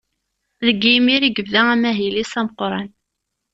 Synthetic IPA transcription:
ðəɡimiɾiɡəvðææmæɦilisæməqɾˤɑn

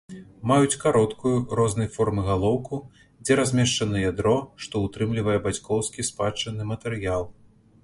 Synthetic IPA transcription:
majut͡sʲkaɾɔt̪kujuɾɔznɐjfɔrmɨɣalˠɔwku | d͡zʲɛɾazʲmʲɛʂt͡ʂɐnɐjad̪ɾɔʂt̪ɔut̪ɾɨmlʲivɐjɛbat͡sʲkɔwskʲispat͡ʂɐnɨmɐt̪ɛɾɨjalˠ

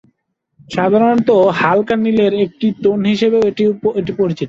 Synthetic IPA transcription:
ʃad̪ʱaɾont̪ohalkanːileɾek̚ʈit̪onɦiʃebeeʈieʈipoɾit͡ɕit̪o

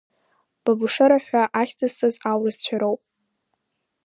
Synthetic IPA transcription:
b̥abɨʂɨɾaħʷᶣaʔaχʲt͡sʰʼastʼazawrɨzt͡ɕʷʰaɾowpʼ

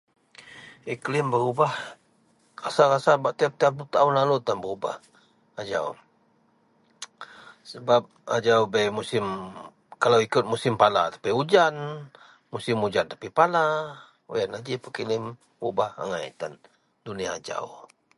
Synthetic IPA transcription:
iklɪmbəɾubah | rasarasabaʔt̪iap̚t̪iadut̪aunlalut̪anbəruba̰h | ad͡ʒa̰u | səbap̚a̰d͡ʒawbɛjmusɪm | kalawikʊt̪̚musɪmpala̰t̪ḁpiud͡ʒan | musɪmud͡ʒant̪ḁpipala | ujanad͡ʒipəkilɪm | ubaha̰ŋaj̰t̪an | duniaːd͡ʒa̰w

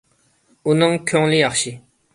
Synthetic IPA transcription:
onaŋkʰoŋlijaχɕi

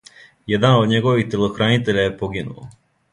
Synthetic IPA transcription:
jed̪anod̪ɲeɡo̞ʋixt̪elˠoxɾanit̪e̞ʎaje̞poɡinṵo̰

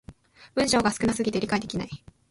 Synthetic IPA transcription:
b̥ɯ̟̃ɰ̃ɕo̞ːɡasɨ̥kɯ̟nasɨɡʲit̪e̞ɾʲikaid̪e̞kʲinai

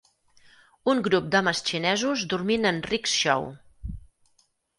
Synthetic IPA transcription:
uŋɡɾup̚d̪ɔməst͡ʃinɛzuzd̪uɾminənriksʃɔ̰w

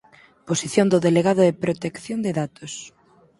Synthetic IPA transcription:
posiθjond̪oðeleɣaðʊðepɾot̪ekθjond̪eðat̪os

